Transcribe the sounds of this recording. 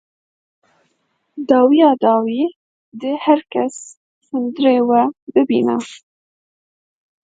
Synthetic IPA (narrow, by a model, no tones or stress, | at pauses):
d̪ɑːwijɑːd̪ɑːwiː | d̪ɪhæɾkæs | hɨnd̪ɾewæbɨbḭːna̰